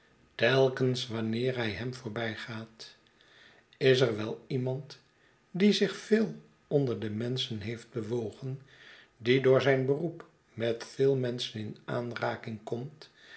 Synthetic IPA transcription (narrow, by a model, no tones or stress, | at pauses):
tɛlˠkənsʋɑnɪːɹɦɛjɦɛmvʊːɹbɛjχaːt | ɪs̬ɛrʋɛlˠimɑnt | dizɪχfɪːlˠ | ɔndəɹdəmɛnsənɦejfd̚bəʋowχən | didʊːɹzɛjnbərup | mɛtfɪːlˠmɛnsənɪnʔa̰ːnraːkɪŋkɔmt